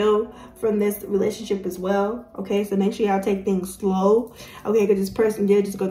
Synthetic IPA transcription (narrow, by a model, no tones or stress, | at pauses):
lˠ | fɹʌ̃mðɪsɹileɪʃnʃɪpɨzwɛlˠʔo̰ʊkʰeɪsoʊmɛ̃nt͡ʃl̩ˠiaɪtʰeɪk̚θɪ̃ŋz̥sloʊʔoʊkeɪkʌzðɪspʰɜ˞sn̩dɨd͡ʒʌsɡ̥oʊ